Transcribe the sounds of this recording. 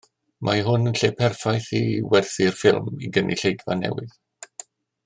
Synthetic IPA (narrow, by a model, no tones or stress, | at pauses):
mʔaɦʊnənɬeːpʰɛrfajθiwɛrθɪrfɪlˠmiɡənʔḭɬejdva̰nɛ̰wɪð